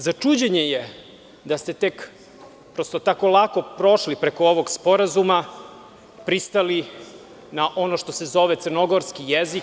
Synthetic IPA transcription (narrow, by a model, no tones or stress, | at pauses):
zat͡ʂud͡ʑeɲeje | d̪ast̪et̪ek | pɾost̪ot̪ako̞lˠako̞pɾo̞ʃlipɾeko̞oʋo̞ɡspo̞ɾazuma | pɾist̪ali | naʔo̞no̞ʃt̪ose̞zo̞ʋet̪sərɾno̞ɡo̞ɾskijezik